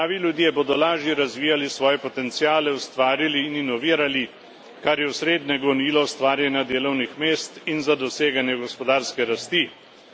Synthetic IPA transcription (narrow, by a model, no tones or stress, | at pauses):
aːʋilʲjud̪iɛboːd̪ɔlaːʒjɛɾazʋiːjalisʋɔːjɛpɔt̪ɛnt̪sijaːlɛust̪ʋaːɾiliːninɔʋiːɾali | kaɾjɛusɾeːd̪nɛɡɔniːlɔwst̪ʋaːɾjɛnjad̪eːlɔwnixmeːst̪inzad̪ɔseːɡanjɛɡɔspɔd̪aːɾskɛɾast̪i